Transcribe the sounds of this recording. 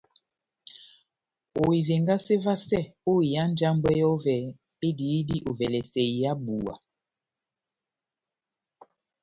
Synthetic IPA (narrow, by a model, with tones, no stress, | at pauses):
o˨i˨ve˨ŋɡa˦se˦va˦sɛ˦˨o˦i˨ja˦n˦d͡ʒa˦m˦bɛ˦jɔ˦vɛ˨ | e˦di˨˦di˦ʔo˨vɛ˨lɛ˨sɛ˨i˨ja˦bu˨wa̰˨